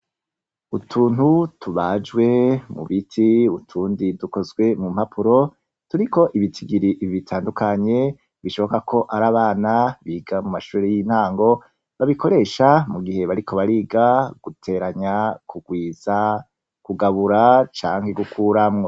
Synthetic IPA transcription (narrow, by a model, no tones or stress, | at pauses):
utʰuːnhutʰuβad͡ʒɡwe̞mṵβitʰiutʰuːndiduko̞zɡwe̞mumhapʰuɾo̞ | tuɾiko̞ʔiβitʰiɡiɾiʔββitʰaːndukaɲe̞ | βiʃo̞βo̞kakʰo̞ʔaɾaːβaːnaβiːɡamumaʃuːɾejiːn̥haːŋɡo̞ | βaβikʰo̞ɾeʃamuɡihe̞βaɾikʰo̞βaɾiːɡaɡ̥utʰe̞ɾaɲakʰuɡwiːz̥a | kuɡaβuɾat͡ʃa̰ːŋheɡukʰuːɾamŋo